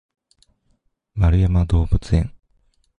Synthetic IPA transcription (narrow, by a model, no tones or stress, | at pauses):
maɾɯjamad̪oːbɯt͡seŋ